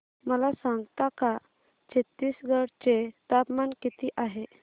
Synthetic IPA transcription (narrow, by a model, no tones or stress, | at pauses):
məlasaŋɡt̪aka | t͡ɕet̪ːiːsɡʱəɽt͡ɕet̪apmankit̪iːʔaɦe